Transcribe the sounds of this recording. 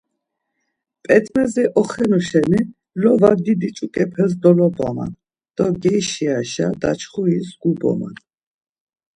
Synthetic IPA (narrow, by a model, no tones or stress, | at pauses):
pʼɛt̪ʼmɛziʔɔχɛnɔʃɛni | lɔvad̪id̪it͡ʃʼukʼɛpʰɛs̬d̪ɔlɔba̰ma̰n | d̪̥ɔɡɛjʃiaʃad̪at͡ʃχuisɡ̥ubɔ̰ma̰n